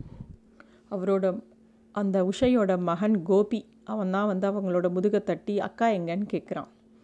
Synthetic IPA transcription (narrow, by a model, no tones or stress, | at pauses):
ɐʋɐɾoːɽɐ | ʔɐnd̪ɐʊʂɐjoːɽɐmɐɦɐnɡoːpi | ʔɐʋɐnd̪ãːʋɐnd̪ɯɐʋɐŋɡɐɭoːɽɐmʊðɯɣɐt̪ːɐʈːiɐ̰kːaːjɐŋɡɐnkeːʈ̚kɪɾã̰ː